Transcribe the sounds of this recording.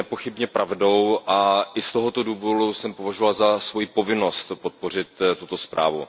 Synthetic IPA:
ɛpo̞xɪbɲɛpɾavdo̞wʔaʔɪst̪o̞ɦo̞t̪o̞duːvoɾusɛmpo̞vaʒovalzasvo̞jiːpo̞vɪno̞st̪pot̪̚po̞r̝ɪt̪t̪ːut̪o̞spɾʔa̰ːvṵ

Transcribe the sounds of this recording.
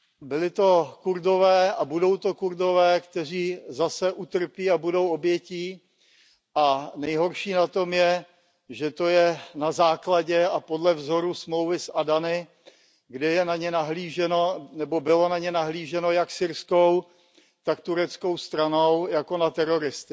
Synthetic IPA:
bɪlɪt̪o̞kuɾdovɛːabudo̞wt̪o̞kuɾdo̞vɛːkt̪ɛr̝iːzasɛʔut̪r̩piːabudo̞wobjɛciː | ʔanɛjɦo̞ɾʃiːnat̪o̞mjɛ | ʒɛt̪o̞jɛnazaːklaɟɛapodlɛvzo̞ɾusmlowvɪsʔadanɪ | ɡdɛjɛnaɲɛnaɦliːʒɛno̞nɛbo̞bɪlo̞naɲɛnaɦliːʒɛno̞jaksɪɾskow | t̪akt̪uɾɛt͡sko̞wst̪ɾanowjako̞nat̪ɛɾo̞ɾɪst̪ɪ

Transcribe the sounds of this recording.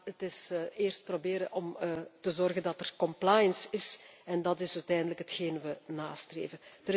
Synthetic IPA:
ətɪsɪːrst̚probeːɾəʔɔmːtəzɔrɣəndɑtərkɔmplaːjənsɪsɛndɑtɪsœtɛjndələkɦətxeːnʋənaːstrḛːvənd̥ə

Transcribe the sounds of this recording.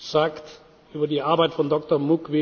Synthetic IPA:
z̥aːkt | ʔyːbɐdiːʔaɐbaɪtfɔndɔktɔɐmʊkvɪ

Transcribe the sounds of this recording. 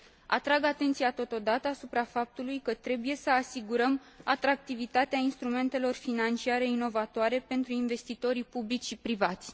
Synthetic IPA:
a̰t̪ɾaɡat̪e̞nt̪sijat̪o̞t̪o̞d̪at̪əasupɾafap̚t̪ulujkət̪ɾe̞buje̞səasiɡuɾəm | at̪ɾak̚t̪ivit̪at̪eainst̪ɾume̞nt̪e̞lo̞rfinant͡ʃiaɾe̞ino̞vat̪oaɾe̞pe̞nt̪ɾuinve̞st̪it̪o̞ɾipublit͡ʃʃipɾivat̪sʲ

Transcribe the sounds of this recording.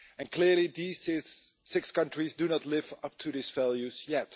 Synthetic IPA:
ɨ̃nkʰlɪɹlidizzːɪkskʌ̃ntɹ̥izdunɔtˡlɪvʌp̚tʰuðisvælˠjʉzjɛt

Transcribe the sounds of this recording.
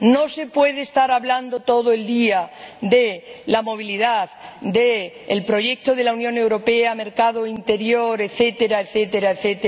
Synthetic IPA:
no̞se̞pwe̞ð̞eːst̪aɾaβland̪o̞t̪o̞ð̞oeld̪iad̪elamo̞β̞iliðaðd̪eː | lpɾo̞ʝe̞k̚t̪o̞ð̞e̞launjõne̞wɾo̞peame̞ɾkað̞oint̪e̞ɾjoɾeθet̪e̞ɾaeθet̪e̞ɾaeθet̪e

